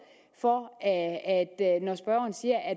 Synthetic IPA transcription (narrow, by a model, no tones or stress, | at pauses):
fɒ | æd̥nɒsb̥ʁɶʊ̰ɐn̩siːɐʔæ